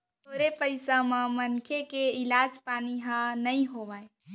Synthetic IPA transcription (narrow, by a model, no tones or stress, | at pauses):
t̪oɾepəɪsamemənkʰekeilad͡ʒpaniɦə̃nəjɦoʋaj